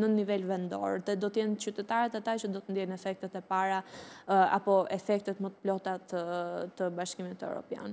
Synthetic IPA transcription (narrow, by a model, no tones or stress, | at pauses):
nənivɛlvɛnd̪ɔ̰ɾðɛd̪ɔt̪əjɛnt͡ɕyt̪ɛt̪aɾɛt̪at̪at͡ɕəd̪ɔt̪ənd̪jɛnɛfɛk̚t̪ɛt̪ɛpaɾa | a̰pɔɛfɛk̚t̪ɛt̪mət̪ə̥plɔt̪at̪ət̪əbaʃkimit̪ɛvɾɔ̰pja̰nɛ